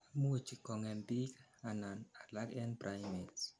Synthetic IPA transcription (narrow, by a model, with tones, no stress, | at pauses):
amu˦o˨t͡ʃi˨kɔ˨ŋɛ˨mbi˦kana˨na˨la˦kɛ˦npɾajmit